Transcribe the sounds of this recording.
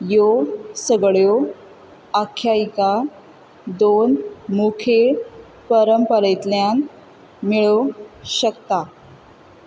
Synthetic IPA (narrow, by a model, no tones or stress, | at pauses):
josəɡɭjo | akʰːjaika | d̪onmukʰe | pəɾəmpəɾəjt̪ljan | miɭoɕəkt̪a